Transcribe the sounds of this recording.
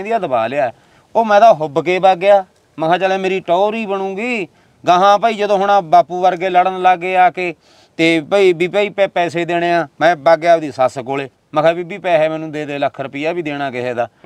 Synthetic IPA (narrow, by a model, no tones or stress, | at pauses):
d̪ijaːd̪əbaːleaːɛː | oːmɛ̃ːd̪aːɦʊbkeːbaːɡeaː | məkʰaːt͡ʃəːleːmeːɾiːʈɔːɾiːbəñũːɡiː | ɡəɦãːpəːiːd͡ʒəd̪õːɦʊɳãːbaːpuːʋəɾɡeːləɽənlaːɡːeːaːkeː | t̪eːpːiːbiːpaːiːpɛːpɛːseːd̪eːɽ̃ẽːãːmɛ̃ːbaːɡeaːpd̪iːsaːskoːleː | məkʰaːbiːbiːpɛːɦɛːmɛ̃ːnũːd̪eːd̪eːləkʰːəɾpiːaːbiːd̪eːɽ̃aːkɪɦɛːd̪aː